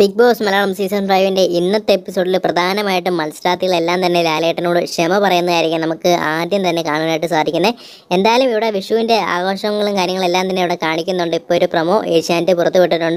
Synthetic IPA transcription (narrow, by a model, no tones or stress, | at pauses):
pik̚bo̞ːksmɐlaːɭɐmsiːsɐnɖrɐjʋinde̞ʔinːɐt̪ːɨe̞pːiso̞ːɖilprɐd̪ʱaːnɐmaːjiʈːumːɐlsʈaːt̪ːiɣɐɭe̞lːaːmt̪ɐnːe̞laːleːʈːɐno̞ːɽɨʂemɐpɐrɐjunːɐðaːjiɾikʲːunɐmukːɨaːd̪jɐmt̪ɐnːe̞kaːɳunaːjiʈːɨsaːd̪ʱikʲːunːɐ | e̞nd̪aːjɐlumiʋiɽe̞ʋiʂʋɐʋinde̞a̰ːɣo̞ːʂɐŋːɐɭumkaːɾjɐŋːɐɭe̞lːaːmt̪ɐnːeiʋiɽe̞kaːɳikʲːunːuɳɖɨipːo̞ːoɾuprɐmo̞ːʔeːʂaːndɨpurɐt̪ːupeʈːiʈːuɳɖɨ